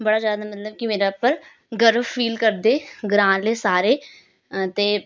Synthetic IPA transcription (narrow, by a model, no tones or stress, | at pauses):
bəɽaːd͡ʒaːd̪aːmət̪ləb̚kimeːɾapːəɾ | ɡəɾʋfʰiːlkəɾd̪eːɡɾãːleːsaːɾeː | t̪eː